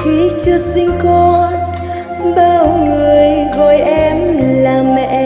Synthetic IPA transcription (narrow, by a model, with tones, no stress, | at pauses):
ki˨˦t͡ɕɨ˧k̚sï˧ŋ̟kɔ˧n | ɓəː˧˩wŋɨ˨˩əjɣɔ˨˩jʔɛ˧mlaː˨˩mmːɛ̰˧˨